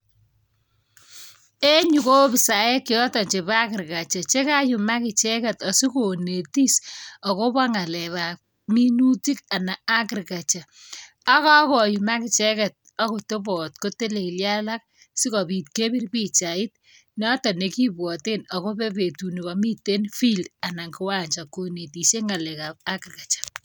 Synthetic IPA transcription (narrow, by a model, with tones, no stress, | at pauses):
e˦ɲu˨ko˦bɪ˨sa˨e˦kːɪ˨ɔ˦tɔ˨ɲt͡ʃe˨ba˦kɪ˨ɾka˨t͡ʃa˨t͡ʃe˦ka˦ju˨ma˦kɪ˨t͡ʃɛ˦kɛ˨tɔ˨si˦ko˨ne˨ti˦sɔ˨ko˦pa˦ŋa˨lɛ˨βa˨ | mi˦nu˦ti˦ka˨na˨a˦kɪ˨ɾka˨t͡ʃa˨ | a˦kɔ˦ko˨ju˨ma˦kɪ˨t͡ʃɛ˦kɛ˨t̚ | ɔ˦ko˨to˦bɔ˨tko˦te˦le˨kɪ˨lja˦la˦k̚ | si˦kɔ˨pi˨t̚ke˦bi˦rpi˦t͡ʃa˨ɪ˦t̚ | nɔ˦tɔ˨ne˨ki˦bwɔ˨te˦nɔ˨ko˦pe˦pe˨tu˨ni˨kɔ˨mi˦te˦nfi˦lda˨na˨ŋkɪ˦wa˦ɲt͡ʃa˨ko˨ne˨ti˨se˦ŋa˨lɛ˨ka˨p̚a˦kɪ˨rka˨t͡ʃḁ˨